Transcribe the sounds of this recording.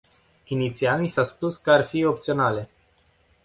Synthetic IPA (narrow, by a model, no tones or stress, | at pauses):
init̪sialnisaspuskəarfio̞p̚t̪sio̞nale̞